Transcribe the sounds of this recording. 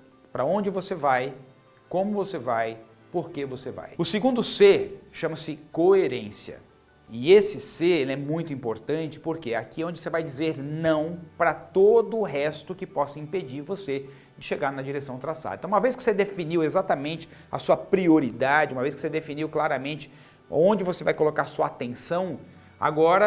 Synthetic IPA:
pɾɐõnd͡ʒɪvosevaj | kõmʊvosevaj | poɾkevoseva̰jʊsɪɡũnd̪ʊseʃɐ̃mɐsɪkoeɾẽsiɐ̰ | ɪesɪseɛmũj̃t̪ʊĩpoɾt̪ɐ̃nt͡ʃɪ̥poɾkeakiɛõnd͡ʒɪosevajd͡ʒizeɾnɐ̃w̃pɾɐt̪od̪ʊːɦɛst̪ʊkɪpɔsɐĩped͡ʒiɾvose | d͡ʒɪʃeɡaɾnɐd͡ʒiɾesɐ̃w̃t̪ɾasa̰d̪ɐ̰̃ẽt̪ũmɐvejskɪ̥o̥sed̪efiniwezat̪ɐmẽnt͡ʃɪ̥ | ɐ̰suɐpɾioɾid̪ad͡ʒɪũmɐvejskɪ̥sed̪efiniwklaɾɐmẽnt͡ʃɪ̥ | õnd͡ʒɪvosevajkolokaɾasuɐat̪ẽsɐ̃w̃ | a̰ɡɔɾɐ

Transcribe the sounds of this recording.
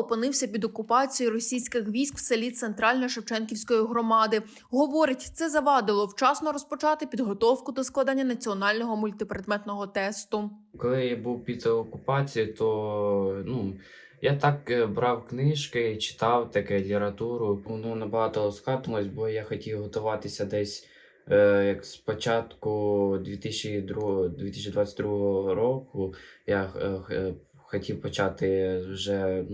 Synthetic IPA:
ɔpɪnɪwsʲɐpʲid̪ɔkʊpɑt͡sʲijirɔsʲijsʲkɪxʋʲijsʲkw̥selʲit̪sent̪ɾɑlʲnɔjʃɐwt͡ʃɛnkʲiwsʲkɔjiɦɾɔmɑd̪ɪ | ɦɔʋɔɾɪtʲt̪sɛzɐʋɑd̪ɪlˠɔwt͡ʃɑsnɔɾɔspɔt͡ʃɑt̪ɪpʲid̪ɦɔt̪ɔwkʊd̪ɔsklˠɑd̪anʲːɐnɐt͡sʲiɔnɑlʲnɔɦɔmʊlʲt̪ɪpɾed̪mɛt̪nɔɦɔt̪ɛst̪ʊkɔlˠɪjabuwpʲit̪ɔkʊpɑt͡sʲijit̪ɔ | nu | jat̪ɑkbɾɑwknɪʃkɪt͡ʃɪ̥t̪ɑwt̪ɐkɛlʲɾɐt̪uɾʊɔnnɐbɐɦɑt̪ɔskɑt̪ɔlˠɔsʲt̚ʲbɔjaxɔtʲiwɦɔt̪ʊʋɑt̪ɪsʲɐd̪ɛsʲ | jɐkspɔt͡ʃɑt̪kʊd̪ʲʋʲit̪ɪsʲt͡ʃid̪ɾud̪ʲit̪ɪ̥sʲt͡ʃʲːid̪ʋɑt͡sʲːɛtʲd̪ɾuɦɔɔɾɔkʊja | xɔtʲiwpɔt͡ʃɑt̪ɪwʒɛ

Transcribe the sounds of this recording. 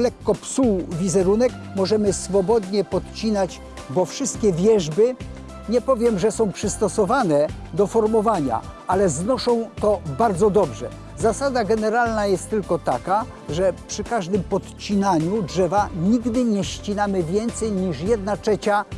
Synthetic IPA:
lɛkːɔpsuvʲizɛɾunɛk | mɔʐɛmɘsfɔbɔd̪ɲɛpɔt̪t͡ɕinad͡ʑ | bɔfʂɘst̪̚kʲɛvʲjɛʐbɘ | ɲɛpɔvʲjɛmʐɛsɔ̃w̃pʂɘst̪ɔsɔvanɛ | d̪ɔfɔɾmɔvaɲa̰alɛznɔʂɔ̃w̃t̪ɔbaɾd̪zɔd̪ɔbʐɛ̰ | zasad̪aɡɛnɛɾalnajɛst̪ːɘlkɔt̪aka | ʐɛpʂɘkaʐd̪ɘmpɔt̪t͡ɕinaɲudʐɛvaɲiɡd̪ɘɲɛɕt͡ɕinamɘvʲjɛnt̪sɛjɲiʂjɛd̪nat͡ʂɛt͡ɕa

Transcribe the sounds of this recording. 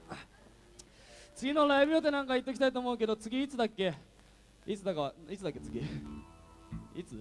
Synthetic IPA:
t͡sɨɡʲino̞ɾaibɯ̟jo̞t̪enãŋkait̪ːe̞k̬ʲi̥t̪ait̪oːmo̞ɯ̟ke̞d̪o̞t͡sɨɡʲiːt͡sɨd̪akːe̞ | it͡sɨd̪akaβait͡sɨd̪akːe̞t͡sɨɡʲi | it͡sɨ

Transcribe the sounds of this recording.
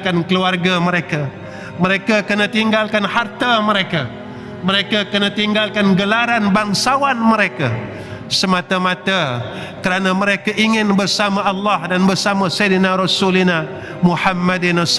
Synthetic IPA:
kankəluarɡaməɾeka | məɾekakənat̪iŋɡalkanhart̪aməɾeka | məɾekakənat̪iŋɡalkanɡəlaɾanbaŋsawanməɾeka | səmat̪amãt̪a | kəɾanaməɾekaʔiŋɪnbərsamaɑlːahdanbərsamasedənaɾɔsulina | muħamːadinas

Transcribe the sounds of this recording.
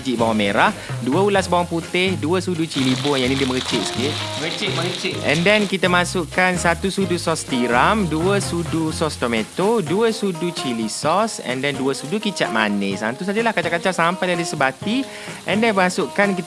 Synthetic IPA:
d͡ʒiʔbawameɾahduəulasbawaŋput̪ɪhduəsudut͡ʃilibʊjanĩdiməkət͡ʃɪʔ̚sə̥kɪt̪̚kət͡ʃɪʔməkət͡ʃɪɛ̰̃ndɛnkit̪amasʊʔkansat̪usudusɔst̪iɾamduəsudusɔst̪omet̪oduəsudut͡ʃilisɔsɛ̰̃ndɛnduəsudukit͡ʃa̰ʔ̪̚ma̰nɪsa̰nt̪us̬ad͡ʒəlahkat͡ʃaʔkat͡ʃasampajdalisəbat̪i | ʔɛ̃ndɛnmasʊʔkankit̪

